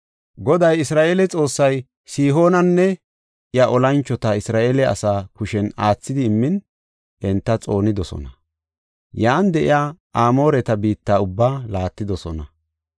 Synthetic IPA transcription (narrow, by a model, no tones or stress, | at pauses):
ɡɔd̪ɐjɪsɾaːʔeːlɛt͡sʼo̞ːsːɐj | siːɦo̞ːnɐnːɛ | ʔɪjaʔɔlɐnt͡ʃːɔt̪ɐɪsɾaːʔelɛɐ̰saːkʊʃɛnaːt͡sːɪd̪ɪːmːɪn | ʔɛnt̪ːɐt͡sʼo̞ːnɪd̪ɔsɔ̰nɐ | jaːnd̪ɛʔɪ̰jaːʔaːmo̞ːɾɛt̪ɐbiːt̪ːaːʊbːaːlaːt̪ːɪd̪ɔsɔnɐ̰